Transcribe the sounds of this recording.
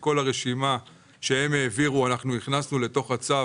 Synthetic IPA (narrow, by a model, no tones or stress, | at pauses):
ko̞laʁe̞ʃima | ʃe̞emeːviʁuanaχnuniχnasnule̞to̞χat͡sa